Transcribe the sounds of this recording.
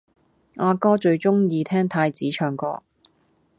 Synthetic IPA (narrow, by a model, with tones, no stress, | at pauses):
ŋaː˧kɔː˥t͡ʃɵ˧ɥt͡ʃʊ˥ŋjiː˧t̪ʰɛː˥ŋt̪ʰaː˧jt͡siː˨˥t͡ʃʰœː˨˩ŋkɔ̰ː˧